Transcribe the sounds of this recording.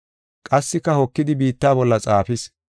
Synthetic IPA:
kʼɐsːɪkːɐhɔkːɪd̪ɪbiːt̪ːaːbɔlːɐt͡sʼaːfɪs

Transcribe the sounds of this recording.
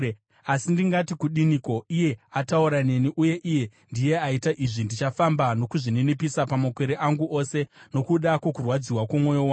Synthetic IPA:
asindiŋɡatikuɗiniko̞ije̞atauɾane̞niʔuje̞ʔije̞ | ndije̞aitaʔiʐindit͡ʃafambano̞kuʐine̞nepisapamakwe̞ɾeʔaŋɡuʔose̞no̞kuɗakwo̞kurwad͡ziwakomwo̞jowa

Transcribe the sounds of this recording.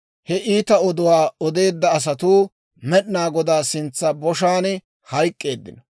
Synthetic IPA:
hɛʔiːt̪ɐɔd̪ʊwaːɔd̪e̞ːd̪ːɐːs̬ɐt̪uː | mɛɗnaːɡɔd̪aːsɪnt͡sːɐbɔʃaːn | hɐjkʼːe̞ːd̪ːɪnɔ

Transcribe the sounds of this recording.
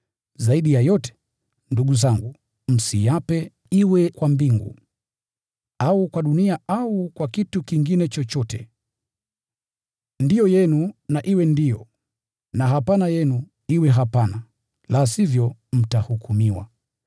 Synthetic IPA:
zaiɗijajɔtɛ̥ | nduɡuzaŋɡu | m̩sijapɛ | iwɛkwambiŋɡṵ | aukwaɗuniaaukwakitukiŋɡinɛt͡ʃɔt͡ʃɔtɛ̰ | ndijɔjɛnunaʔiwɛndijɔ | naɦapanajɛnu | iwɛɦapana | lasivjɔm̩tahukumiwa̰

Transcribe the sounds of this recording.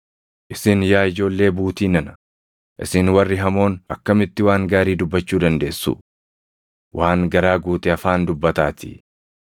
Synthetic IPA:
ʔɪsɪnjaːɪd͡ʒo̞ːlːe̞ːbuːt̪iːnɐnɐ̥ | ʔɪsɪnwɐrːɪɦɐmo̞ːnɐkːɐmɪt̪ːɪwaːŋɡaːɾiːd̪ʊbːɐt͡ʃːuːd̪ɐnd̪e̞ːsːṵ | wʔaːŋɡɐɾaːɡuːt̪ɛɐfaːnd̪ʊbːɐt̪aːt̪ɪ̥̰

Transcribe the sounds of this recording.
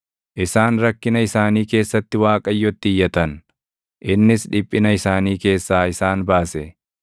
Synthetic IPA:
ʔɪsaːnɾɐkːɪnɐɪsaːniːke̞ːsːɐt̪ːɪwaːkʼɐjːɔt̪ːɪɪjːɐt̪ɐn | ʔɪnːɪsᶑɪpʼːɪnɐɪsaːniːke̞ːsːaːɪsaːnbaːsɛ

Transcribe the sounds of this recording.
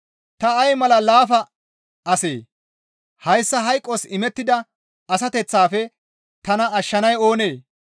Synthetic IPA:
t̪ɐɐjmɐlɐlaːfɐ | ʔɐsḛː | hɐjsːɐɦɐjkʼːosɪmɛt̪ːɪd̪ɐ | ɐsɐt̪ɛt͡sːaːfɛ | t̪ɐnɐɐʃːɐnɐjo̞ːne̞ː

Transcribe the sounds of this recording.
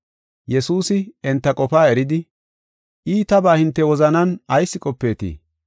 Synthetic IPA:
jɛsuːsɪɛnt̪ːɐkʼɔfaːɛɾɪd̪ɪ | ʔiːt̪ɐbaːhɪnt̪ːɛwɔzɐnɐnɐjsːɪkʼɔpːe̞ːt̪ḭː

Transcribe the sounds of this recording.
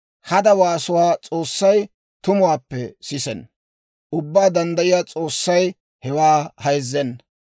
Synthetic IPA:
hɐd̪ɐwaːsʊwaːt͡sʼoːsːɐj | t̪ʊmʊwaːpːɛsɪsɛn | ʔʊbːaːd̪ɐnd̪ɐjɪjaːt͡sʼo̞ːsːɐj | hɛwaːhɐjzːɛn

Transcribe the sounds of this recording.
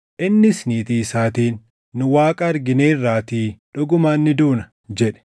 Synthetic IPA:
ʔɪnːɪsniːt̪iːsaːt̪iːnː | ʊwaːkʼɐɐɾɡɪneːrːaːt̪iːᶑʊɡʊmaːnːɪd̪uːnɐ | d͡ʒɛᶑɛ̥

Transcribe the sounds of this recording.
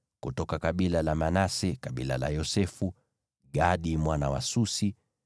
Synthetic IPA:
kutɔkakaɓilalamanasɛkaɓḭla̰la̰jɔsɛfu | ɡaɗimwanawasusi

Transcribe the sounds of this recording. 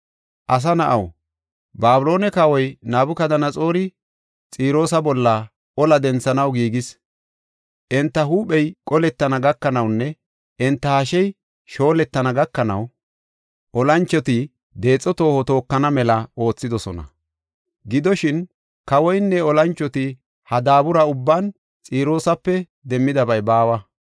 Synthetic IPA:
ʔɐs̬ɐnɐʔɐw | baːbʊlo̞ːnɛkɐwɔjnaːbʊkɐd̪ɐnɐt͡sʼo̞ːɾɪ | t͡sʼiːɾo̞ːsɐbɔlːɐ | ɔlɐd̪ɛnt͡sːɐnɐwɡiːɡɪs | ʔɛnt̪ːɐɦuːɓɛjkʼɔlɛt̪ːɐnɐɡɐkːɐnɐwnːɛ | ʔɛnt̪ːɐhɐʃɛj | ʃo̞ːlɛt̪ːɐnɐɡɐkːɐnɐ̰w | ʔɔlɐnt͡ʃːɔt̪ɪ | d̪e̞ːt͡sʼːɔt̪o̞ːhɔt̪o̞ːkːɐnɐmɛlɐo̞ːt͡sːɪd̪ɔsɔnɐ̰ | ɡɪd̪ɔʃɪn | kɐwɔjnːɛɔlɐnt͡ʃːɔt̪ɪ | hɐd̪aːbʊɾɐʊbːan | t͡sʼiːɾo̞ːsɐpːɛ | d̪ɛmːɪd̪ɐbɐjbaːwɐ

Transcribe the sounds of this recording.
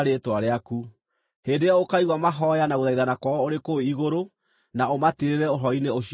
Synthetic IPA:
ɾetwaɾeaku | heːndejaokaiɣwamaɦɔjanaɣoðaiðanakwɔoɾekoiɣoɾo | naomatiɾeɾɛoɦɔineoɕ

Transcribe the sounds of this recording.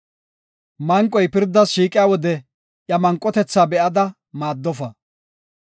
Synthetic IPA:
mɐŋkʼːɔjpɪɾd̪ːɐsʃiːkʼɪjaːwɔd̪ɛ | ʔjɐmɐŋkʼːɔt̪ɛt͡sːaːbɛʔɐd̪ɐ | maːd̪ːɔfɐ

